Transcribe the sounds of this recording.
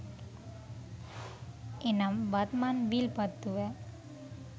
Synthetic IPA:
enɐmbɐt̪manbilpɐt̪ːuʋɛ

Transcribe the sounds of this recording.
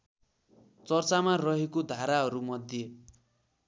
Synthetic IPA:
t͡sʌrt͡samarʌɦekod̪ʱaɾaɦʌɾumʌd̪ʱje

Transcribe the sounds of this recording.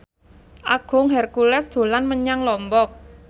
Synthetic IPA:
ʔaɡ̥ʊ̤ŋɦɛrkulɛsd̪̥o̤lanməɲaŋlɔmbɔk̚

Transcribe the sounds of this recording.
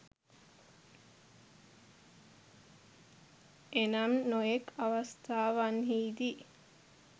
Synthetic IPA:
enɐmnojekʰɐʋɐst̪ʰaːʋanɦiːd̪i

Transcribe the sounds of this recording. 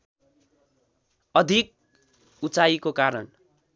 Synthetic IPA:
ʌd̪ʱik̚ | ut͡saikokaɾʌ̰n

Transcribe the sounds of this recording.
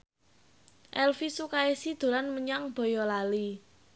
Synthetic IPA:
ʔɛlfisukaesid̪̥o̤lanməɲaŋb̥ɔ̤jɔlali

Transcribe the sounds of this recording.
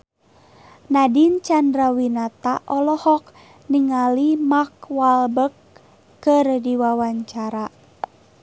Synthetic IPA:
nadint͡ʃandɾawinat̪aʔɔlɔhɔk̚ | niŋalimakwalbəkː | ɨrdiwawaɲt͡ʃaɾa

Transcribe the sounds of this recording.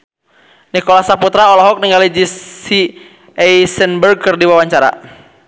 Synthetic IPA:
nikɔlasaput̪ɾaɔlɔɦɔk̚niŋɡalid͡ʒii | ɛjsɛnbərɡ̚kərdiwawaɲt͡ʃaɾa̰

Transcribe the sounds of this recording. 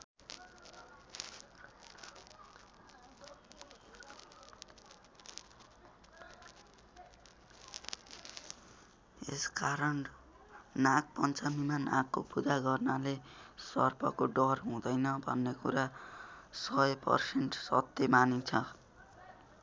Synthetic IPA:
eskaɾʌn | nak̚pʌnt͡samimanakːopud̪aɡʌrnalesʌ̰rpʰʌ̰koɖʌrɦũd̪ʌjnʌbʱʌnːekuɾa | sʌjpʌ̰rsenʈsʌ̰t̪ːjemanit͡sʰʌ

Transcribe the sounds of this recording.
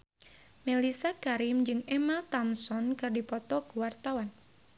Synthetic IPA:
melisakaɾɪmd͡ʒɨŋɛmat̪amsɔnkɨrdipɔt̪ɔkuwart̪awan

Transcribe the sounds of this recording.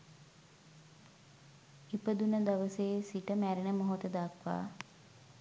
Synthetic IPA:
ipəd̪unəd̪aʋəseːsiʈəmæɾenəmoɦot̪əd̪akʋa̰ː

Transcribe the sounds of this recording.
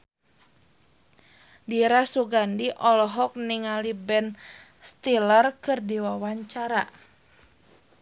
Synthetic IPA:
diɾasuɡandiʔɔlɔɦɔk̚niŋalibɛn | st̪ilərkɨrdiwawaɲt͡ʃaɾa

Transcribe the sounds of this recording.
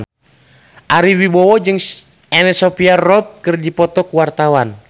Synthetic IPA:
ʔaɾiwibɔwɔd͡ʒɨŋ | ɛnɛsɔpiarɔt̪̚kɨrd͡ʒipɔt̪ɔkuwart̪awan

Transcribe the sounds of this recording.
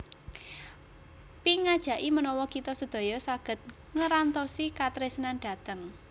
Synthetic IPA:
piŋad̥ʒ̥ä̤ʔimənɔwɔkit̪ɔsəd̪̥o̤jɔsaɡ̥ə̤t̪̚ | ŋəɾant̪ɔsikat̪ɾesnanɖ̥a̤t̪əŋ

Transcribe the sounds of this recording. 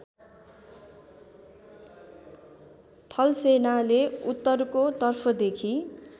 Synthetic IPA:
t̪ʰʌlsenaleut̪ːʌrkot̪ʌrpʰʌd̪ekʰi

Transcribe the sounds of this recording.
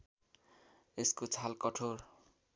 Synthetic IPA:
eskot͡sʰalkʌʈʰor

